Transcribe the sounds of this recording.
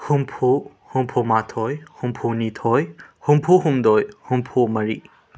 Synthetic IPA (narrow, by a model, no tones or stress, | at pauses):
humpʰu | humpʰumatʰɔjhumpʰunitʰɔjhumpʰuɦumdɔjhumpʰumɐɾḭ